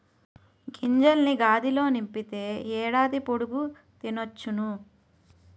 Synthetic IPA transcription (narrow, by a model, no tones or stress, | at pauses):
ɡiɲd͡ʒɐlniɡaːd̪ilo̞ːnimpit̪e̞ːɛːɽaːd̪ipoɽuɡu | t̪inot͡ʃːunu